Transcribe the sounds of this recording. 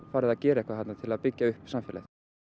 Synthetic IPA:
faːɾɪðacɛːɾaɛhkvahat̪nat̪ʰɪlaðpɪcːaʏhpsamfjɛla̰θ

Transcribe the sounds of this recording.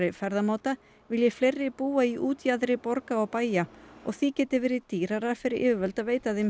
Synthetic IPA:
ɾɪfɛɾðamaːt̪a | vɪljɛflejrːɪpuːaiʔuːt̪jaðɾɪpɔɾkaɔɣpaːjaɔ̰ɣθicɛːt̪ɪvɛːɾɪðt̪iːɾaɾaɾ̥fɪɾɪɾʔɪ̰ːvʏvœlt̪aveːjt̪aθɪm

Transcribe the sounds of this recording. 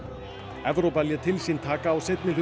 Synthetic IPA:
ɛvɾowpaljɛt̪ʰɪlsiːnt̪ʰaːkaːwsejt̪nɪr̥

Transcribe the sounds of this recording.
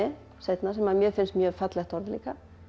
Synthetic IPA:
ɪ | sejt̪nasɛmaðmjœːfɪnst̪mjœːfat̪lɛxt̪ɔɾðɪlḭːka

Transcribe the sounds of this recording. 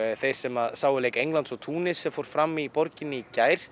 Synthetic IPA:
θejɾ̥sɛmaðsaːwʏlejkejŋlant̪sɔt̪ʰuːnɪsɛfowɾ̥fɾamːipɔɾcɪnːɪicaːjɾ̥

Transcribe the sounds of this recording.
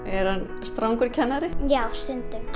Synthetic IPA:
ɛɾ̥han | st̪ɾawŋkʏɾ̥cʰɛnːaɾɪjaːwst̪ʏnt̪ʏm

